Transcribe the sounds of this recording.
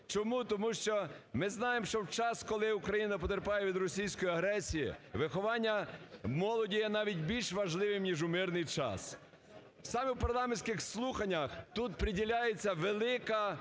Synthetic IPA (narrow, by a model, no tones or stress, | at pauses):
t͡ʃɔmut̪ɔmuʃt͡ʃɔmɪznɑjemʃt͡ʃɔwt͡ʃɑskɔlˠɪukɾɐjinɐp̬ɔt̪eɾpɑjeʋʲid̪rɔsʲijsʲkɔjiɐɦɾɛsʲijḭʋɪxɔʋɑnʲːɐmɔlˠɔdʲijɛnɑʋʲidʲbʲilʲʃʋɐʒlˠɪʋɪmnʲiʒʊmɪrnɪjt͡ʃɑ̰s | wsɑmewpɐrlˠɑmenʲsʲkɪxslˠuxɐnʲːɐxt̪ut̪pɾʲɪdʲilʲajet͡sʲːɐʋelˠɪkɐ